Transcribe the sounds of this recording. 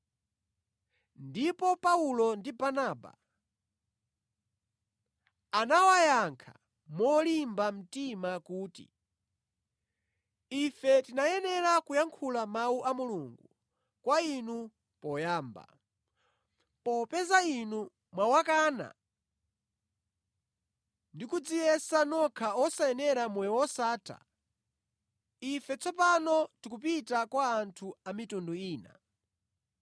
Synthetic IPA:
ndipɔpaulɔndibanaːba̰ | anawajaŋkʰa̰ | mɔlimbam̩timakuːtḭ | ifɛtinajɛnɛɾakujaŋkʰulamauʔamuluŋɡu | kwainu | pɔjaːmba̰ | pɔpɛzainu | mwawakaːna̰ | ndikud͡zijɛsanɔkʰaɔsajɛnɛɾamwɛwɔsaːtʰa̰ | ifɛt͡sɔpanɔtikup̬itakwaːntʰuamitunduiːna̰

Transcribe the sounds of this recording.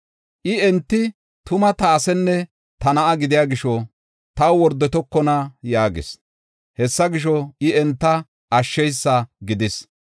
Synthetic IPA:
ʔɪɛnt̪ːɪ | t̪ʊmɐt̪aːsɛnːɛ | t̪ɐnɐʔɐɡɪd̪ɪjaːɡɪʃɔ | t̪ɐwwɔɾd̪ːɔt̪ɔkːɔnɐjaːɡɪ̰s | hɛsːɐɡɪʃ̬ɔɪɛnt̪ːɐ | ɐʃːɛjsːɐɡɪd̪ɪs

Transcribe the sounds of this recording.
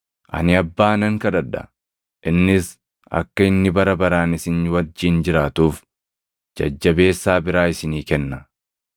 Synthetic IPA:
ʔɐ̰nɪɐbːaːnɐŋkɐᶑɐᶑɐ̰ | ʔɪnːɪs | ɐ̰kːɐɪnːɪbɐɾɐbɐɾaːnɪsɪnwɐd͡ʒːiːnd͡ʒɪɾaːt̪uːf | d͡ʒɐ̰d͡ʒːɐbe̞ːsːaːbɪɾaːɪsɪniːkɛnːɐ

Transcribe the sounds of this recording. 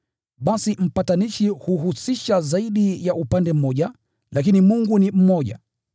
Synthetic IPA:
ɓasim̩pataniʃihuɦusiʃazaiɗijaʔupandɛm̩mːɔʄa | lak̬inimuŋɡunim̩mɔʄa̰

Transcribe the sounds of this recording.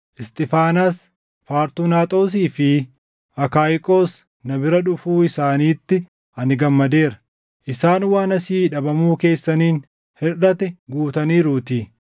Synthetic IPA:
ʔɪst̪ʼɪfaːnaːs | paːɾt̪uːnaːt̪ʼo̞ːs̬iːfɪ | ʔɐkaːjkʼo̞ːs | nɐbɪɾɐᶑʊfuːɪsaːniːt̪ːɪ | ɐnɪɡɐmːɐd̪e̞ːɾɐ̥ | ʔɪsaːnwaːnɐsiːᶑɐbɐmuːke̞ːsːɐniːn | hɛrɐt̪ɛɡuːt̪ɐniːɾuːt̪iː

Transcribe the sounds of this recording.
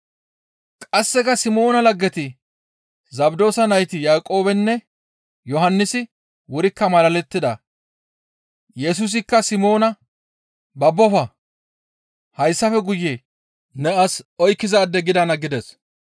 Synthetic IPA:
kʼɐsːɛkɐsɪmo̞ːnɐlɐɡːɛt̪ɪ | zɐbd̪o̞ːsɐnɐjt̪ɪjaːkʼo̞ːbɛnːɛ | jɔɦɐnːɪsɪ | wʊɾɪkːɐmɐlɐlɛt̪ːɪd̪ɐ | jɛs̬ʊs̬ɪkːɐsɪmo̞ːnɐ | bɐbːɔfɐ | hɐjsːɐfɛɡʊjːe | nɛɐsɔjkːɪzaːd̪ːɛɡɪd̪ɐnɐɡɪd̪ɛs

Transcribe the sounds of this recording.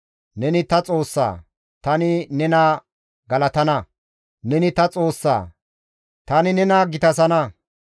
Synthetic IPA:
nɛnɪt̪ɐt͡sʼo̞ːsːa̰ː | t̪ɐnɪnɛnaː | ɡɐlɐt̪ɐnɐ | nɛnɪt̪ɐt͡sʼoːsːa̰ː | t̪ɐnɪnɛnaɡɪt̪ɐs̬ɐnɐ

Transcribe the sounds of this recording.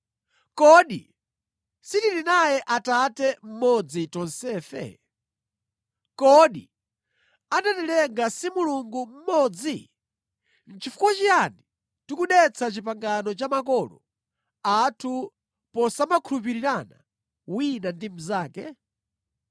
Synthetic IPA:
kɔɗḭ | sitiɾinajɛʔatatɛm̩mɔd͡zitɔnsɛːfɛ̰ | kɔɗi | adatɛlɛŋɡasimuluŋɡum̩mɔd͡zi | n̩t͡ʃʰifu̥kwat͡ʃijani | tukuɗɛt͡sʰat͡ʃipaŋɡanɔt͡ʃamakɔːlɔ̰ | atʰu | pɔsamakʰulup̬iɾiɾana̰ | winandim̩zaːkɛ

